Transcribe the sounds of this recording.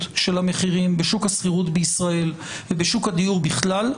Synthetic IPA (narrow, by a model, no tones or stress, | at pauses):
t̪ʃe̞lhameχiʁimbeʃukhasχiʁut̪beisʁae̞l | vebeʃukhad̪ijuʁbiχlal